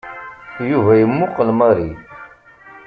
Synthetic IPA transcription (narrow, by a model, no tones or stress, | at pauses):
juvæjəmːuqəlmɑɾi